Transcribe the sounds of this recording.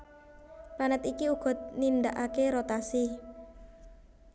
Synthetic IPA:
planət̪ikiuɡ̥ɔ̤t̪̚nind̪aʔakeɾot̪asi

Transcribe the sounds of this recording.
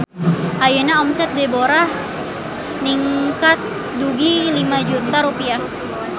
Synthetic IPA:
ʔajenaɔmsɛt̪̚deboɾa | niŋkat̪̚ | duɡilimad͡ʒut̪aɾupia

